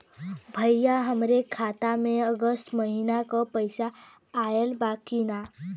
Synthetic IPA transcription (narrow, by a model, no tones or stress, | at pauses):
bʱəjːaɦəmɾekʰːat̪amẽəɡəsʈməɦinakɔpəjsaː | elbakina